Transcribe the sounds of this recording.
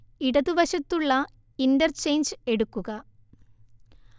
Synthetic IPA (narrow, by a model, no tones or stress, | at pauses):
iɽɐðubɐɕɐt̪ːuɭːɐ | indɐrt͡ɕe̞jnd͡ʑɨe̞ɽukːuɣɐ